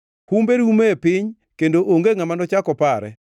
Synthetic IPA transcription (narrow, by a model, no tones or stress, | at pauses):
humbeɾumeepɪɲ | kendoʔoŋɡeŋamanɔt͡ʃakɔpaɾɛ̰